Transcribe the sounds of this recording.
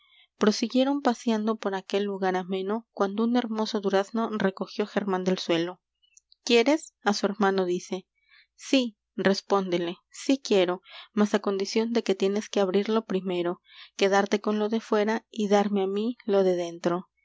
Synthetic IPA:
pɾo̞siɣje̞ɾo̞mpasjand̪o̞po̞ɾake̞lːuɣaɾamẽ̞no̞kwand̪oune̞ɾmo̞so̞ðuɾazno̞re̞ko̞xjo̞xe̞ɾmãnd̪e̞lswe̞lo̞ | kje̞ɾe̞sasue̞ɾmãno̞ðise̞ | si | re̞spo̞nd̪ele̞ | sikje̞ɾo̞masako̞nd̪isjo̞nd̪e̞ke̞t̪je̞ne̞skeaβɾiɾlo̞pɾime̞ɾo̞ | ke̞ðaɾt̪e̞ko̞nlo̞ðe̞fwe̞ɾaiðaɾme̞amilo̞ðe̞ðe̞nt̪ɾo̞

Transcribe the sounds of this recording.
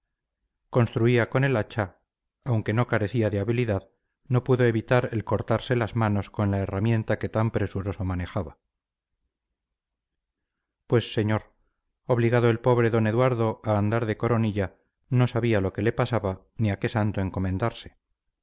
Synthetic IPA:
ko̞nst̪ɾuiako̞ne̞lat͡ʃaː | wŋke̞no̞kaɾe̞θiaðeaβiliðað | no̞puðo̞e̞βit̪aɾe̞lko̞ɾt̪aɾse̞lazmano̞sko̞nlae̞ramjẽ̞nt̪ake̞t̪ampɾe̞suɾo̞so̞mane̞xaβa | pwe̞sːe̞ɲo̞ɾ | o̞βliɣaðo̞e̞lpo̞β̞ɾeðo̞ne̞ðwaɾðo̞aːnd̪aɾðe̞ko̞ɾo̞niʎa | no̞saβialo̞ke̞le̞pasaβa | niake̞sant̪o̞e̞ŋko̞mẽnd̪aɾse̞̥

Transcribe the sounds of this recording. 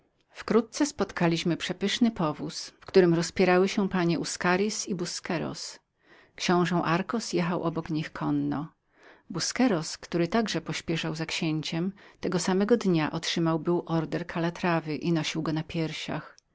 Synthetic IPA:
fkɾut̪̚t̪sɛspɔt̪kalʲiɕmɘpʂɛpɘʂnɘpɔvusfkt̪uɾɘmɾɔspʲjɛɾawɘɕɛpaɲɛʔuskaɾʲisibuskɛɾɔ̰s | kɕɔ̃w̃ʐɛ̃w̃ʔaɾkɔsjɛxawʔɔbɔkɲixkʰɔnːɔ | buskɛɾɔskt̪uɾɘt̪aɡʐɛpɔɕpʲjɛʂawzakɕeɲt͡ɕɛmt̪ɛɡɔsamɛɡɔd̪ɲaʔɔtʂɘmawbɘwʔɔɾd̪ɛɾkʰalat̪ɾavɘʔinɔɕiwɡɔnapʲjɛɾɕa̰x

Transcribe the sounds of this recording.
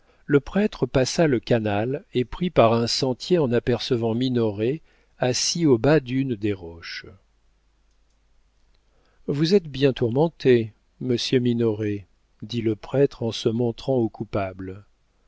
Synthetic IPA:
ləpχɛt̪χəpasaləkanalepχipaʁɛ̃sɑ̃t̪jeɑ̃napɛʁsəvɑ̃minɔʁe | asiobad̪ynd̪eʁɔʃ | vuzɛt̪bjɛ̃t̪uʁmɑ̃t̪e | məsjøminɔʁe | d̪iləpχɛt̪χɑ̃səmɔ̃t̪χɑ̃okupabl

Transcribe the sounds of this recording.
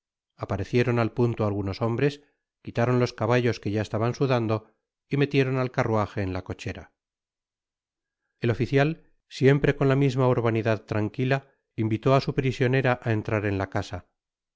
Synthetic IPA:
apaɾe̞θje̞ɾo̞nalpunt̪oalɣuno̞so̞mbɾe̞s | kit̪aɾo̞nlo̞skaβaʎo̞ske̞ʝae̞st̪aβansuðand̪o̞ | ime̞t̪je̞ɾo̞nalkaruaxe̞ːnlako̞t͡ʃe̞ɾa | e̞lo̞fiθjal | sje̞mpɾe̞ko̞nlamizmauɾβaniðaðt̪ɾaŋkila | imbit̪o̞asupɾisjo̞ne̞ɾaʔae̞nt̪ɾaɾe̞nlakasa

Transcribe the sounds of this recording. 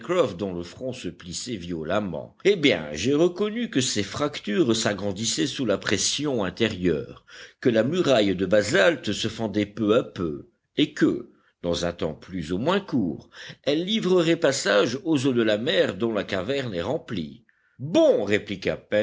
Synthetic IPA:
kʁɔfd̪ɔ̃ləfχɔ̃səplisɛvjɔlamɑ̰̃ebjɛ̰̃ʒeʁəkɔnykəsefχakt̪yʁsaɡʁɑ̃d̪isɛsulapχɛsjɔ̃ɛ̃t̪eʁjœ̰ːʁkəlamyʁajd̪əbazalt̪səfɑ̃d̪ɛpøapø̰ | ekə̰ | d̪̥ɑ̃zɛ̃t̪ɑ̰̃plyzumwɛ̃kuːʁɛlːivʁəʁɛpasaʒozod̪əlamɛʁd̪ɔ̃lakavɛʁnɛʁɑ̃plḭ | bɔ̃ʁeplika̰pɛ

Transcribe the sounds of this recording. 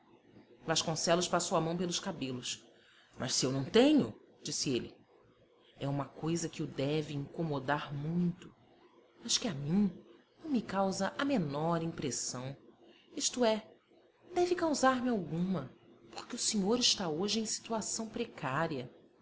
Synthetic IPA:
vaʃkõsɛlʊʃpasowɐmɐ̃w̃pelʊʃkabelʊs | mʔɐ̰ʃsɪewnɐ̃w̃t̪ẽɲʊ̰ | d͡ʒisɪelɪ̰ | ɛũmɐkojzɐkɪʊd̪ɛvɪĩŋkomod̪aɾmũj̃t̪ʊ̥ | mɐʃkɪamĩnɐ̃w̃mɪkawzɐʔɐmenɔɾĩmpɾesɐ̃w̃ | iʃt̪ʊɛ | d̪ɛvɪkawzaɾmɪawɡũmɐpo̥ɾkɪʊseɲoɾɪʃt̪aoʒɪẽj̃si̥t̪uasɐ̃w̃pɾekʰaɾiɐ

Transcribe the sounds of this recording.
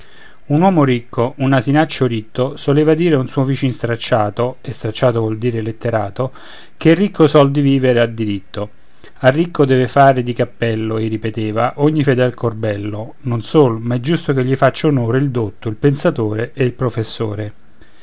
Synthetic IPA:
unwɔːmoɾikːoʔunːazinat͡ʃːoɾit̪ːosoleːvad̪iːɾeunsuːovit͡ʃinst̪ɾat͡ʃːaːt̪oest̪ɾat͡ʃːaːt̪ovwɔld̪iːɾelet̪ːeɾaːt̪o | k̟erːikːosɔld̪iviːveɾead̪iɾit̪ːo | arːikʰːod̪ɛːvefaːɾed̪ikapːɛlːoerːipet̪eːvaʔoɲːifed̪ɛlkorbɛlːo | nonsoːlomaɛd͡ʒːust̪ok̟eʎːifat͡ʃːaunoːɾeild̪ot̪ːoilpensat̪oːɾeʔeilpɾofesːo̰ːɾe

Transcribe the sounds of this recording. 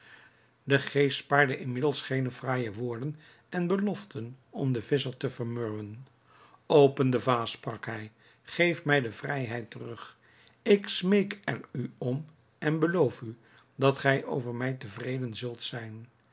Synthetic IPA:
dəχejstpaːɹdəʔɪnmɪdəlˠsχejnəvraːjəʋʊːɹdən | ɛnbəlɔftənɔmdəvɪsəɹtəvəɹmøɹwən | owpəndəvaːsprɑkɦɛj | χejfmɛjdəvrɛjɦɛjtərɵχ | ɪksmejkɛryɔm | ɛnbəlowfy | dɑtχɛjʔo̰wvəɹmɛjtəvrejdənzɵlˠtsɛjn

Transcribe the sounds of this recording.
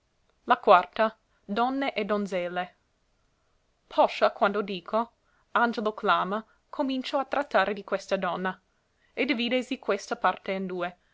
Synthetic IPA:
lakwart̪a | d̪ɔnːeʔɛd̪onzɛlːe | pʰɔʃakwand̪od̪iːkʰo | and͡ʒeloklaːma | kʰomint͡ʃoat̪ɾʔat̪ːaːɾed̪ikwest̪ad̪ɔnːa | ed̪iviːd̪esikwest̪apart̪eind̪uːe

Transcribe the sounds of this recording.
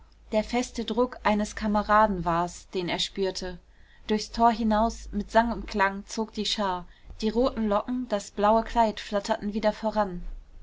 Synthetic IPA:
d̥eːɐfɛstədʁʊkʔaɪnəskʰaməʁaːdn̩vaɐsd̥eːneːɐʃpyːɐtʰə | d̥ʊɐçstʰoːɐɦɪnaʊsmɪtz̥aŋʊntkʰl̥aŋt͡soːk̚d̥iːʃaːɐd̥iːʁoːtn̩lɔkŋ̩d̥asb̥laʊəkʰl̥aɪtflatʰɐtn̩viːdɐfoːʁan

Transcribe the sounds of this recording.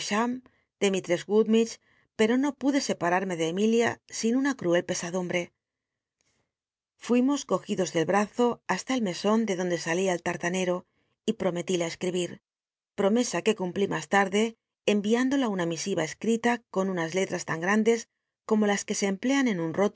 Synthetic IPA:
ʃam | d̪̥emit̪ɾezɣuðmit͡ʃ | pe̞ɾo̞no̞puðe̞se̞paɾaɾme̞ð̞e̞ːmiljasinunakɾue̞lpe̞saðumbɾe̞ | fwimo̞sko̞xiðo̞zðe̞lβɾaθo̞ast̪ae̞lme̞so̞nd̪e̞ðo̞nd̪e̞saliaelt̪aɾt̪ane̞ɾo̞ | ipɾo̞me̞t̪ilaeskɾiβ̞iɾ | pɾo̞me̞sake̞kumplimast̪aɾðe̞ː | mbiand̪o̞launamisiβae̞skɾit̪ako̞nunazle̞t̪ɾast̪aŋɡɾand̪e̞s | ko̞mo̞laske̞se̞ːmple̞ane̞nunro̞t̪

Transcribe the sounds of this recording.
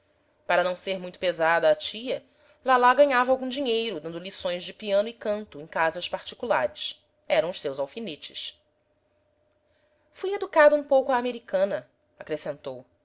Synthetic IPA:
paɾɐnɐ̃w̃seɾmũj̃t̪ʊ̥pezad̪ɐːt͡ʃiɐ | lalaɡɐ̃ɲavɐawɡũd͡ʒiɲejɾʊd̪ɐ̃nd̪ʊlisõj̃zd͡ʒɪpiɐ̃nʊikɐ̃nt̪ʊẽj̃kazɐʃpaɾt͡ʃi̥kulaɾɪs | ɛɾɐ̃w̃ʊʃsewzawfinet͡ʃɪ̥s | fujed̪ukad̪ɐũpowkʊaːmeɾikɐ̃nɐ | akɾesẽnt̪ow

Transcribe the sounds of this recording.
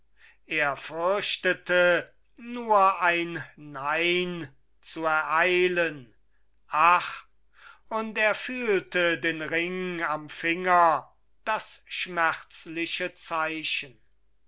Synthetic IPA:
ʔeːɐfʏɐʃtətə | nuːɐʔaɪnːaɪn | t͡suɛɐʔaɪlən | ʔaχ | ʊnteːɐfyːltədeːnʁɪŋamfɪŋɐ | d̥asʃmɛχt͡slɪʃət͡saɪʃən

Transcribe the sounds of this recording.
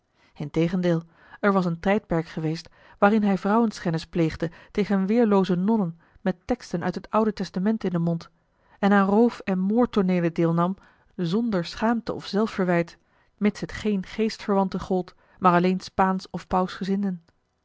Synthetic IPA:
ɪntejχəndɪːlˠ | ɛɹʋɑs̬əntɛjt̚pɛɹkχəʋejst | ʋaːɾɪnɦɛjvrʌwənskɛnɪsplejχdətejχənʋɪːɹlowzənɔnən | mɛtɛkstənœ̰ɥtɦətʌwdətɛstamɛntɪndəmɔnt | ɛnaːnrowfɛnmoːɹtɔɹneːjlədɪːlˠnɑm | zɔndəɹsχaːmtəʔɔ̰fz̥ɛlˠfəɹʋɛjt | mɪtsətχejnχejstfəɹʋɑntəχɔlˠt | maːɹɑlejnspaːnsɔfpɑwsχəzɪndən

